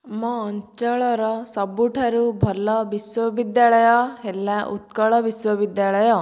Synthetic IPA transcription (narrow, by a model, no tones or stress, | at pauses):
mɔ̃ːɲt͡ʃɔɭɔɾɔsɔbuʈʰaɾubʱɔlɔbiswɔbid̪jaɭɔjɔɦelːaʔṵt̪̚kɔɭɔbiswɔʋid̪jaɭɔjɔ